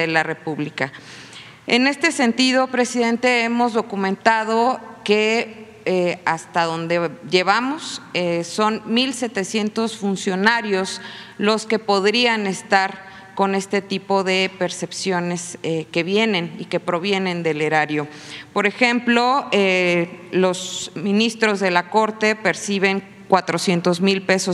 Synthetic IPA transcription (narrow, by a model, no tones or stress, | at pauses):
elare̞puβlika | ene̞st̪e̞se̞nt̪ið̞o̞pɾe̞siðe̞nt̪e̞emo̞zðo̞kumẽ̞nt̪að̞o̞ke̞ | ast̪aðo̞nd̪eʝe̞β̞amo̞seso̞nmilse̞t̪e̞sje̞nt̪o̞sfunsjo̞naɾjo̞slo̞ske̞po̞ðɾiane̞st̪aɾ | ko̞ne̞st̪e̞t̪ipo̞ðe̞pe̞ɾse̞psjo̞ne̞seke̞βje̞nẽ̞nike̞pɾo̞β̞je̞nẽ̞nd̪e̞le̞ɾaɾjo̞ | po̞ɾe̞xe̞mplo̞elo̞smĩnist̪ɾo̞zðe̞lako̞ɾt̪e̞pe̞ɾsiβe̞ŋ | kwat̪ɾo̞sje̞nt̪o̞zmilpe̞so